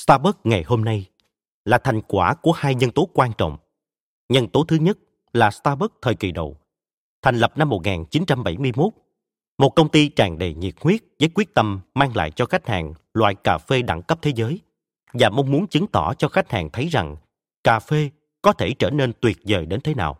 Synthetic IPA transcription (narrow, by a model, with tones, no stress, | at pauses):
st̪aː˧ɓə˦˥k̚ŋa˨˩jho˧mna˧j | laː˨˩t̪ʰa˨˩jŋ̟kwaː˧˩ku˧˩əhaː˧jɲə˧nt̪o˨˦kwaː˧nt͡ɕɔ̰˧˨wŋ͡m | ɲə˧nt̪o˨˦t̪ʰɨ˨˦ɲə˦˥t̚ | laː˨˩st̪aː˧ɓə˦˥k̚t̪ʰəː˨˩jki˨˩ɗo̰˧˨w | t̪ʰɛ˨˩ŋ̟lə˨˩p̚na˧mːo˨˩t̚ŋaː˨˩nt͡ɕi˨˦nt͡ɕa˧mɓa˧˩jmɨ˧əjmo˦˥t̚ | mo˨˩t̚kə˧wŋ͡mt̪i˧t͡ɕaː˨˩ŋɗḛ˨˩ɲḭ˨˩ət̚hwi˦˥ət̚zəː˨˦jkwi˦˥ək̚t̪ə˧mːaː˧ŋla̰ː˧˨jt͡ɕɔ˧xa˦˥jk̚ha̰ː˨˩ŋlwa̰ː˧˨jkaː˨˩fe˧ɗa̰˧˩ŋkə˦˥p̚t̪ʰe˨˦zəː˨˦j | vaː˨˩mɔ˧wŋ͡mmu˨˦ənt͡ɕɨ˨˦ŋt̪ɔ˧˩t͡ɕɔ˧xa˦˥k̟̚ha̰ː˨˩ŋt̪ʰə˨˦jza˨˩ŋ | kaː˨˩fe˧ | kɔ˨˦t̪ʰe˧˩t͡ɕəː˧˩ne˧nt̪wi˨˩ət̚zəː˨˩jɗe˨˦nt̪ʰe˨˦na̰ː˨˩w